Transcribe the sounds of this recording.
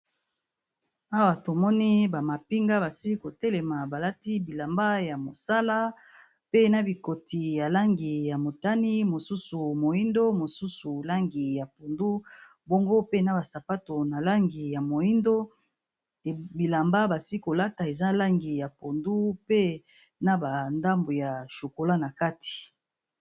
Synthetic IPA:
a˦wa˨to˨mɔ˦ni˦ba˨ma˨pi˦ŋɡa˦ba˨si˦ko˨tɛ˦le˨ma˨ba˨la˦ti˦bi˨la˨mba˦ja˨mo˨sa˦la˦ | pe˦na˦bi˨ko˨tʰi˨ja˨la˦ŋɡi˨ja˨mo˨ta˦ni˦mo˨su˦su˨mo˨i˦ndo˦mo˨su˦su˨la˦ŋɡi˨ja˨po˨ndu˦ | bo˦ŋɡo˦pe˦na˨ba˨sa˨pa˦to˨na˨la˦ŋɡi˨ja˨mo˨ji˦ndo˦˨ | bi˨la˨mba˦ba˨si˦ko˨la˦ta˨e˨za˦la˦ŋɡi˨ja˨po˨ndu˦pe˦ | na˦ba˨nda˦mbo˨ja˨ʃo˨ko˨la˦na˨ka˦ti̥˨

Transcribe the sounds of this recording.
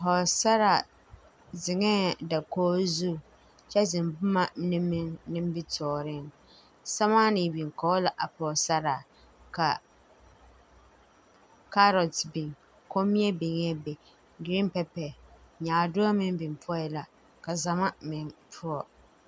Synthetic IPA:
ɦɔ˨sa˦ɾa˨ | zɪ˨ŋɛː˦da˨kɔː˦zu˦˨ | t͡ʃɛ˦zɪ˨mbʊ˦ma˦nɪ˦mːɪ˦ŋnɪ˦m˦bɪ˦tʰɔː˨ɾɪ˦ŋ | sa˦ma˦ni˨bi˨ŋkɔ˨˦la˨ʔa˨pɔ˨sa˦ɾa˨ | ka˨ | ka˦ɾɔ˨tbi˨ŋ | ko˦mi˦ɛ˦bɪ˨ŋɛ˦bɛ˨ | ɡɾi˦m˦pɛ˦pɛ˨ɲaː˨dʊ˦a˦mɪ˦m˦bi˨mpʰʊ˦ɔ˦jɛ˨la˨ | ka˨za˨ma˦mɪ˨ŋpʰʊ˦ɔ˨

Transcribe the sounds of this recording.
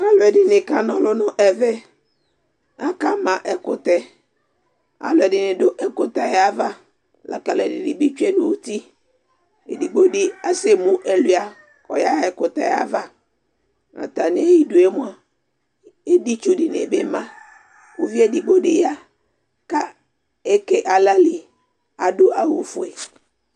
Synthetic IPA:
a˦lʊ˨ɛ˨dɪ˨nɪ̃˨ka˦nɔ̃˨lʊ˦nʊ̃˦ʔɛ˨vɛ˦ | a˦ka˦mã˨ʔɛ˨kʊ˨t̪ɛ˦ | a̰˨lʊ˨ɛ˨dɪ˨nɪ̃˨dʊ˦ʔɛ˦kʊ˨t̪a˨ja˨˦va˦ | la̰˨ka˨lɛ˨dɪ̰˨dɪ̰˨bɪ˦t͡ʃɛ˦nʊ̃˦˨wu˦ti˦ | e˨di˨ɡ͡bo˦dɪ˨a˦se˨mʊ̃˦ʔɛ˨lu˦a˨ | ɔ̰˨ja˦ɛ˨kʊ˨t̪a̰˨ja̰˦va˦ | a̰˨t̪a˨nɪ̃˦e˦ji˦dʊ˨e˦mʊ̃˦a˨ | e˦di˦t͡ʃu˦di˨n˨ḛ˨be˦mã˦ | wo˦vi˦e˦di˨ɡ͡bo˦dɪ˨ja˦ | ka˦ | e˦ke˨ʔa˨la˦li˨ | a˨dʊ˦ʔa˨wo̰˨fu˨e˨

